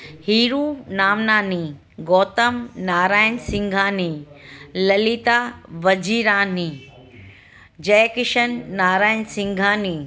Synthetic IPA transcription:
hiːɾuːnaːmnaːni | ɡoːt̪ɐmnaːɾaːjnsɪ̃ŋɡʱãːni | lɐlit̪aːʋɐd͡ʑiːɾãːni | d͡ʑɐjkɪʃɐnːaːɾaːjənsɪ̃ŋɡʱãːniː

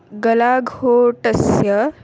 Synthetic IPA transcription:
ɡəlaɡʱhoʈəsjə

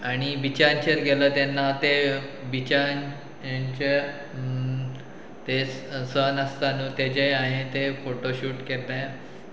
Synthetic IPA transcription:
aɽ̃iʋit͡ɕant͡ɕeɾɡeləːt̪enːat̪eʋit͡ɕan | jaɲt͡ɕe | t̪esənəst̪anũːt̪ed͡ʑeaɦet̪efoʈoɕuːʈket̪a

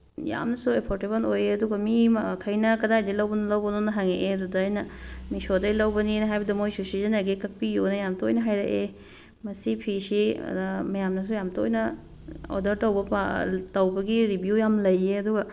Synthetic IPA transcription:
ja̰mnɐsuepʰoɾtebɐlojeɐduɡɐmikʰɐjnɐkɐdajdɐjlɐwbɐnlɐwbɐnonɐɦaŋeʔedudaajnɐmisodɐjlɐwbɐninɐɦajbɐdɐmojsusizɐneɡekɐk̚pijonɐjamtoojnɐɦajɾɐ̰ʔe | mɐsipʰisḭdɐmɐjamnɐs̬ujamto̰jnɐ | o̰dɐɾtɐwbɐpatɐwbɐɡiɾibjujamlɐjeɐduɡɐ

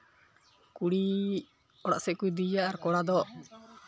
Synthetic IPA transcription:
kuɽi | ɔɽa̰ʔsɛkud̪ijaʔaɾkɔɽad̪ɔ

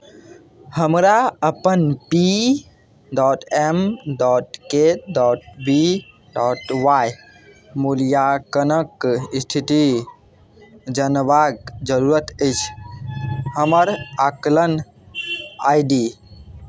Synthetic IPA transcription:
həmɾaəpənpi | ɖɔʈemɖɔʈkeɖɔʈ̚bi | ɖɔʈwaj | mulijakənəkist̪ʰit̪i | d͡ʒənbaɡd͡ʒəɾuɾət̪əɪt͡ʃʰ | həməɾaklən | a̰jɖi

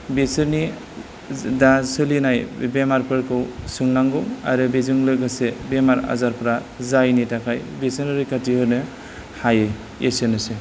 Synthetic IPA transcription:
besɯɾni | dasɯlinajbemaɾpɯɾkʰɯwsɯŋnaŋɡɔŋa̰ɾɯbezuŋlɯɡɯsebemaɾa̰zaɾpɾa | zajnitakʰajbesɯɾɯɾɯjkʰatihɯɾnɯ | haje | esenɯse

